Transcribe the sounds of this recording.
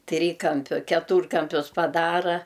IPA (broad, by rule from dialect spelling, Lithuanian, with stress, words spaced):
ˈtʲrʲiːkɐmʲpʲʊ kʲɛˈtuːrkɐmʲpʲʊs pɐˈdɑːrɐ